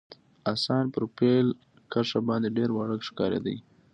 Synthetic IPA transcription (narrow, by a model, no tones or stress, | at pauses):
asɑnpəɾpel | kaʂabɑnd̪eɖeɾwaɽəkʃkɑɾa̰d̪a̰j